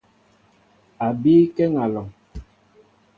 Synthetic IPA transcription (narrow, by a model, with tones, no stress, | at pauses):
a˨biː˦kɛ˦ŋa˨lɔ˨ŋ